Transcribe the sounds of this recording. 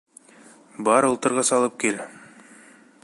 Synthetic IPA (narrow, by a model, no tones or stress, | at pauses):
bɑɾŏlˠt̪ɤ̆ɾʁɑsɑlˠɤp̚kel